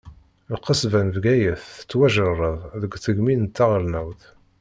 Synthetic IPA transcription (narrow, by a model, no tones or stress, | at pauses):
lqəsvænvɡæjəθə̥t͡sːwæʒərˤəðˤðəɡθəɡminnt̪ːaʁlnæwθ